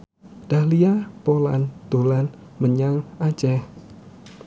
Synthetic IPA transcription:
d̪̥ahliapola̰nd̪̥o̤lan | məɲaŋʔḁt͡ʃɛh

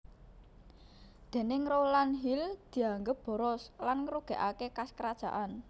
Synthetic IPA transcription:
d̪̥e̤nɪŋrolanɦild̪̥i̤aŋɡəp̚b̥ɔ̤ɾɔslanŋɾuɡ̥ɛ̤ʔakekaskəɾad̥ʒ̥a̤̰ʔan

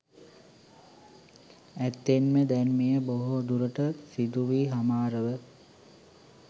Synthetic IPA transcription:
æt̪ːenməd̪ænmejəboɦod̪uɾəʈəsid̪uʋiːɦamaːɾəʋə

